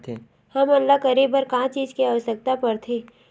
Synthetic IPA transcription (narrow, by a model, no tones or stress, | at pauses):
t̪ʰe | hɐmɐlːakɐɾiːbəɾkaãt͡ʃiːd͡ʒkiaʋəsək̚t̪apɐɾt̪ʰeː